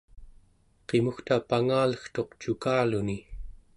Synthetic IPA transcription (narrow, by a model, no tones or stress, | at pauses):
qe̞muxt̪apaŋaːləxt̪o̞qt͡ʃukaːluni